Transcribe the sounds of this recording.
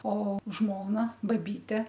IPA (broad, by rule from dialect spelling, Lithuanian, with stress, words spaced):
oː ˈʒmoːnɐ ˈbɑːˈbʲiːtʲɛ